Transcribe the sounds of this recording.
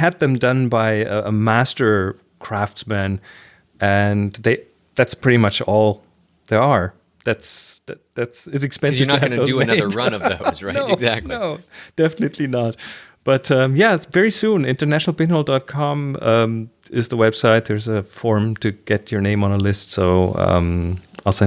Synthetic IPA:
ɨd̪̚ðɨ̃mdʌ̃nbaɪʌəmæstə˞ | kʰɹ̥æftsmæ̃n | ʔɨ̃nðeɪ | ðætspʰɹ̥ɪɾimʌt͡ʃɔlˠ | ðə˞ə˞ | ðætsððætsɨtsɨkspɛ̃nɨnəɨ̥ʌnɨðoʊɨənʌðə˞ɹʌ̃nʌvðozɹanoɪɡzæk̚tˡnoʊd̥ɛfənɨtʰˡlinət̚ | b̥ʌtʌ̃mjævɛɹisũnɪ̃ntə˞næʃnl̩ˠpɪ̃nolˠdɑt̚kʰɑ̃mʌ̃m | ɪzðəwɛb̥saɪt̪̚ðə˞zəfɔɹmtʰɨɡ̥ɛt͡ʃə˞nẽɪ̃mə̃nəlɪstsoʊʌ̰̃maɪlˠse

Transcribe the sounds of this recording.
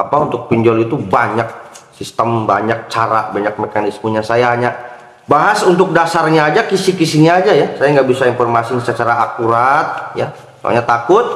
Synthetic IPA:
apaunt̪ʊk̚piɲd͡ʒɔlit̪ubaɲak̚sist̪əmbaɲak̚t͡ʃaɾa̰baɲak̚mekanismuɲasajaɦaɲa | baɦasunt̪̬ʊk̚dasarɲaːd͡ʒakisikisiɲaːd͡ʒajasajaŋɡaʔbisainfɔrmasiɲsat͡ʃaɾaːkuɾat̪̚ja | sa̰ɲat̪akʊt̪̚

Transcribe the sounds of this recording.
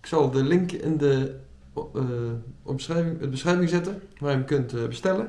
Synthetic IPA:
ɪksɑlˠdəlɪŋkɪ̰ndə | bsrɛvɪŋbəsχrɛjvɪŋzɛtəʋaːjəmkøntbəstɛlə

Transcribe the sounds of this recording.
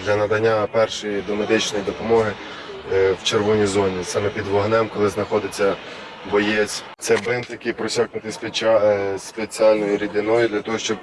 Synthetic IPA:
d̪lʲɐnɐd̪ɐnʲːapɛrʃɔjid̪ɔmed̪ɪt͡ʃnɔjid̪ɔpɔmɔɦɪ | wt͡ʃerʋɔnʲizɔnʲisɑmɛpʲid̪ʋɔɦnɛmkɔlˠɪznɐxɔd̪ɪt͡sʲːɐ | bɔjɛt͡sʲt̪sɛbɪnt̪jɐkɪjpɾɔsʲaknʊt̪ɪspespet͡sʲialʲnɔjʊɾʲid̪ʲɪnɔjʊd̪lʲɐt̪ɔɦɔʃt͡ʃɔb

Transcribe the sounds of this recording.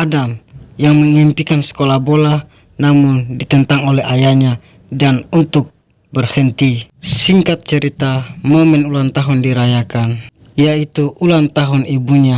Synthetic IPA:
adamjaŋməŋimpikansə̥kɔlabɔla | namundit̪ɛnt̪aŋɔlɛɦajaɲa | danunt̪uk̚ | bɛrhɛnt̪isiŋkat̪̚t͡ʃɛɾit̪amɔmɛnulant̪aɦundiɾajakan | ijait̪uʔːlant̪aɦunibuɲa

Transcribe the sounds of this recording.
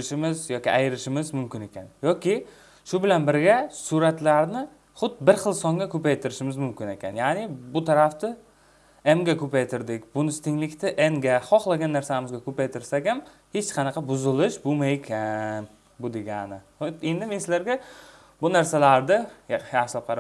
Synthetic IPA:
ɪʃɪmɪzjɒkʲɪajɪɾɪʃɪmɪzmʊmkʲɪne̞kʲanjɒkʲɪ | ʃʊbɪlanbɪɾɡʲasʊɾat̪laɾnɪ | χʊd̪bɪɾχɨlˠsɒŋɡʲakʰɵpajt̪ʰɪɾɪʃɪmɪzmʊmkʲɪne̞kʲʰa̰njanɪbʊt̪ʰaɾaft̪ɪ | emɡʲakʰɵpajt̪ʰɪɾd̪ɪkʲbʊnɪst̪ʰɪŋlɪkʲt̪ʰɪʔemɡʲaχɒχlˠaɡʲanːaɾsamɪzɡʲakʰɵpajt̪ʰɪɾsaɡʲam | he̞t͡ʃqʰɑnɑqʰɑbʊzɪlɪʃbomajekʲʰan | bʊd̪eɡʲanɪ | e̞nd̪ɪmensɪzlaɾɡʲa | bʊnaɾsalaɾd̪ɪjaχʃlap̚qʰɑɾ

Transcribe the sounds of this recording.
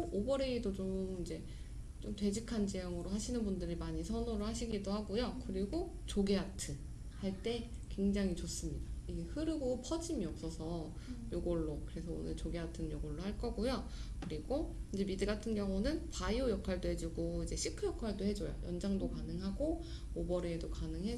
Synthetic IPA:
obʌɾe̞idot͡ɕomid͡ʑe̞ | t͡ɕomtwe̞d͡ʑikʰant͡ɕejʌŋɯɾoɦaɕʰinɯnbundɯɾimaɲisʰʌnuɾɯɭhaɕʰiɡidohaɡojokɯɾiɡo | t͡ɕoɡeatʰɯ | haɭt͈e̞ | kwe̞ŋd͡ʑaŋit͡ɕos͈ɯmɲidaiɡe̞hɯɾɯɡopʰʌd͡ʑimiʌp̚s͈ʌsʰʌ | joɡoɭːokɯɾe̞sʰʌo̰nɯɭt͡ɕoɡeatʰɯnjoɡoɭːohaɭk͈ʌɡojokɯɾiɡoid͡ʑe̞midɯɡatʰɯnɡjʌŋunɯnpaiojʌkʰaɭdoɦe̞d͡ʑuɡoid͡ʑe̞ɕʰikʰɯjʌkʰwaɭdoɦe̞d͡ʑojo̰jʔʌnd͡ʑaŋdokanɯŋɦaɡo | obʌɾeːdokanɯŋɦe

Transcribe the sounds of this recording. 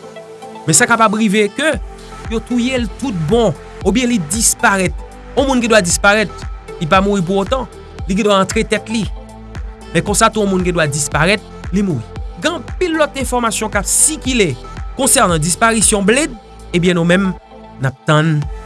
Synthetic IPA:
mɛsakapabʁivekø | jot̪ujelt̪ut̪̚bɔ̃ | objɛ̃lidispaʁɛt̪̚ | ɔ̃mũnk̬ĩd̪wadispaʁɛt̪lip̬amuʁip̬uʁot̪ɑ̃ | lik̬ĩd̪waɑ̃t̪ʁet̪ɛt̪li | mɛkɔ̃sat̪uɔ̃mũnkĩd̪wadispaʁɛt̪̚ | limuʁiɡɛ̃pilːɔt̪̚ɛ̃fɔʁmasjɔ̃kapsikilekɔ̃sɛʁnɑ̃dispaʁisjɔ̃blɛd̪̚ | ebjɛ̃nomɛ̃m | nap̚t̪ãn

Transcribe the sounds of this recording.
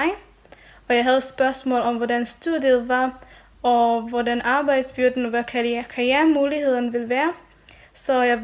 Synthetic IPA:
ɪ | ɒ̽jɑ̈ɪɦæð̞̩ˠsb̥ɶɐsmɔ̰̽ːlɒ̽mʋɒdænsd̥uð̰ˠjəðˠʋɑ̈ | ɒ̽ʋɒdænʔɑ̈ːb̥ɑ̈ɪd̥sb̥yɐd̥n̩ʋækʰælkʰæjæmuːlihe̝ð̞̰ˠɐnəʋe̝lʋæːɐ | sɒ̽jɑɪ

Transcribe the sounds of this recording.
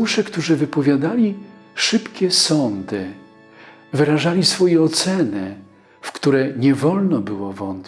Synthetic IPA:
ʂɛkt̪uʐɘvɘpɔvʲjad̪alʲiʂɘpkʲɛsɔnd̪ɘ | vɘɾaʐalʲisfɔjɛɔt̪sɛnɘ | fkt̪uɾɛɲɛvɔlnɔbɘwɔvɔnt̪̚ʲ

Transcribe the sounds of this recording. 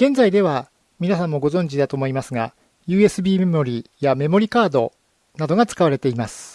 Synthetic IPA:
ɡ̥ẽ̞ñd͡zaid̪e̞βa | mʲinasãmːo̞ɡo̞zõ̞ɲ̟d͡ʑid̪at̪oːmo̞imasɨɡa | jɯ̟ːe̞sɨbʲiːmemo̞ɾʲiːjame̞mo̞ɾʲikaːd̪o̞ | nad̪o̞ɡat͡sɨ̥kaβaɾe̞t̪e̞imasɨ̥

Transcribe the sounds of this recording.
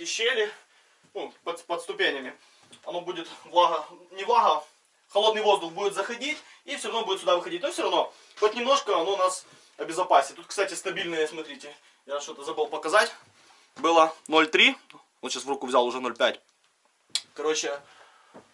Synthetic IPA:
kʲɪɕːelʲɪ | nupɐpɐt̪st̪ʊpʲenʲɪmʲɪ | ɐnobudʲɪt̪vlˠaɦɐnʲɪvlˠaɦɐ | xɐlˠod̪nɨjvo̞zd̪ʊxbudʲɪt̪zɐxɐdʲitʲ | ifsʲoɾɐvnobudɪt̪sʲʊd̪avɨxɐdʲit̚ʲnofsʲoɾɐvno | xotʲnʲɪmno̞ʂkəɐnonas | ɐbʲɪzɐpasʲɪt̪ut̪kst̪atʲɪst̪ɐbʲilʲnəjəsmɐt̪ɾʲitʲɪ | jaʂt̪o̞t̪əzɐbɨlˠpɐkɐzatʲ | bɨlˠəno̞lʲt̪ɾʲi | onɕasvrukʊvzʲalˠʊʐɛno̞lʲpʲætʲ | kɐɾo̞t͡ɕːɪ

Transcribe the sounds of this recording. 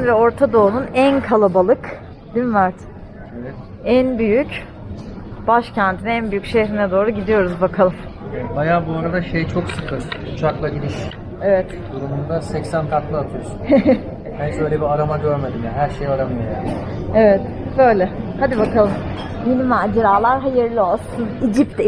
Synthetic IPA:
nvɛo̞ɾt̪ʰad̪o̞ːnunænkʰalˠabalˠɯk | d̪imvaɾt̪ | evɛt̪ | ænbyjyc | b̥aʃcʰænt̪ʰinænbyjycʃehɾinɛd̪o̞ːɾuɟid̪ijo̞ɾuzbakʰalˠɯmɛbajaːbuaɾad̪aʃejt͡ʃʰo̞ksɯkʰɯɾ̥ut͡ʃʰaklˠaɟiɾiʃ | evɛt̪d̪uɾumund̪asɛcsænk̪ʰak̪lˠɯat̪ʰɯjo̞sun | bænsøjlʲɛbiaɾamaɟøɾme̞d̪imjaɦæɾʃe̞jaɾamɯjoja̰ːnevɛt̪ | bø̞jlʲɛhad̪ibakʰalˠɯm | minʲimaːd͡ʒeɾaːlˠaɾɦajɯɾlʲio̞lˠsunid͡ʒip̚t̪

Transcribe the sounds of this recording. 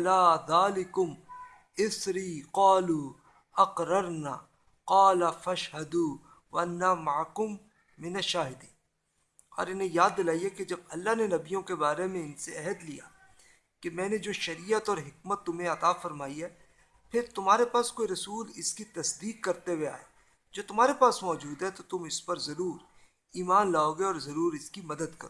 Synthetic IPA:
ɐlaːðaːlɪkʊm | ɪsɾiːqaːluː | ɐqɾɐɾnaː | qɑːlɐfɐʃɦɐd̪uː | ʋɐɐnːamaʕkʊmː | ɪnɐʃaːɦɪd̪iː | ɔ̰ːɾɪnɦẽjaːd̪̚ːɪlaːiɦɛked͡ʒɐb̚ɐlːaɦnenɐbijõkebaːɾemẽɪnseɛɦəd̪lija̰ː | kemɛ̃ːned͡ʒoːʃɐɾijət̪ɔːɾɦɪkmət̪ːʊmɦẽɐt̪aːfɐɾmaːiɦɛː | pʰɪɾt̪ʊmɦaːɾepaːskoːiɾɐsuːlɪskit̪ɐsd̪iːkːɐɾt̪ewea̰ːe | d͡ʒoːt̪ʊmɦaːɾepaːsmɔːd͡ʒuːd̪ɦɛt̪ot̪ʊmɪspɐɾzɐɾuːɾ | iːmaːnlaːoːɡeɔːɾzɐɾuːɾɪskimɐd̪əd̪kɐɾoː

